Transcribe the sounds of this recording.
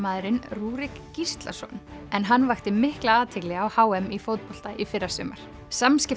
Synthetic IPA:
maːðɾɪnruːɾɪkcist̪la̰̥sɔ̰nɛnɦanːvajxt̪ɪmɪhklaaːt̪ʰɪklɪɣawhaːwɛmifowt̪̚pɔl̥t̪aʔifɪrːasʏːmaɾ̥ | samscɪ

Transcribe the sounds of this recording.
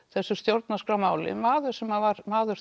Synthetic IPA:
θɛsːʏst̪jowɾt̪̚naskɾawmaːwlɪ̰maːðʏ̥sɛmavaɾmaːðʏɾ̥

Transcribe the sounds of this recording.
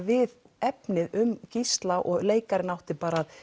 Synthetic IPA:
vɪð | ɛpnɪðʏmcist̪laʔɔɣleːjkaɾɪnawht̪ɪpaːɾaːð

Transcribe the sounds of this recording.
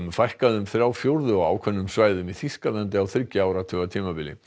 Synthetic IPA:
mfajhkaðʏmθɾjaːwfjowɾðʏɔɣa̰ːwkʰvɛnːʏmsvaːjðʏmiθiskalɛnt̪ɪawθɾɪcɪaːwɾat̪ʰœːɣat̪ʰiːmapɪlɪ̰

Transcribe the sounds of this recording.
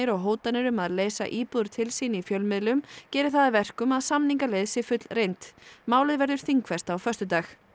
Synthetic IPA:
ɪɾɔɣɦoːwt̪anɪɾʏmaðleːjsa̰ʔiːpuðɾ̥t̪ʰɪlsiːnifjœlmɪðlʏmcɛːɾɪ̥θaðavɛr̥kʏmaðsamniŋkalejðsɪfʏt̪lrejnt̪maːwlɪðvɛɾðʏɾ̥θiŋkvɛst̪awfœst̪ʏt̪aːx

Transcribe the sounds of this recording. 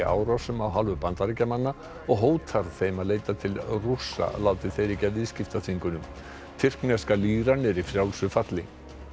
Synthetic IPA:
a̰ːwɾasʏmawɦalvʏpant̪aɾɪcamanːa | ɔɣɦoːwt̪ʰaɾθejmaðleːjt̪at̪ʰɪlrusːa̰laːwt̪ɪθejɾicavɪðscɪft̪aθiŋkʏnʏm | t̪ʰɪr̥knɛskaliːɾanɪɾifɾjawlsʏfat̪lɪ

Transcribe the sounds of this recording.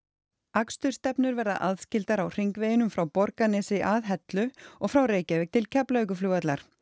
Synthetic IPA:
akst̪ʏɾ̥st̪ɛpn̪ʏɾvɛɾða̰ʔaðscɪlt̪aɾawr̥ejŋkveːjɪʏnʏmfɾawpɔɾkanɛsɪʔaðɦɛt̪lʏɔɣfɾawreːjcavɛk̚t̪ʰɪlcʰɛplœjk̬ʏfluːat̪laɾ̥

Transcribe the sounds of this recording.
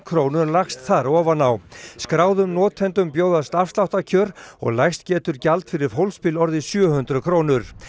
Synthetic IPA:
kʰɾownʏɾlaxst̪θaɾɔːvanawskɾaːwðʏmnɔːt̪ʰːɛnt̪ʏmpjoːwðast̪afst̪awht̪acʰœːɾɔ̰ɣlajxst̪̚cɛːt̪ʏɾcalt̪fɪɾɪɾ̥ɦowlspɪlɔɾðɪsjœhʏnt̪ɾʏkʰɾoːwnʏɾ̥

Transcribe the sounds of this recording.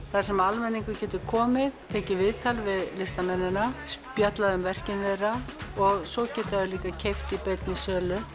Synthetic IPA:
θaðsɛmalmɛnːiŋkʏcɛːt̪ʏkʰɔːmɪðt̪ʰɛːcɪvɪðt̪ʰalvɪðlɪst̪amɛnːɪnaspjat̪laðʏmvɛr̥cɪnðejrːaɔɣsɔcɛːt̪aðʏliːkacʰejft̪ɪpejt̪nisœːlʏ

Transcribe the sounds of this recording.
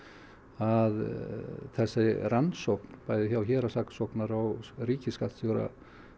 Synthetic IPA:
að | θɛsːɪrant̪sɔwpnpaːjðɪçawçɛːɾasaksɔknaɾaɣriːcɪskat̪sjoːwɾa̰

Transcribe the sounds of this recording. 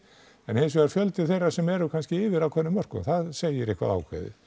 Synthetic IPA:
ɛnhensʏɣaɾ̥fjœlt̪ɪ̥θejrːḁsɛmɛɾʏkʰanscɪɪːvɪɾawkʰɔnːʏmːœr̥kʏ̰mθaðseːjɪɾihkva̰ða̰wkʰvḛðɪ̰

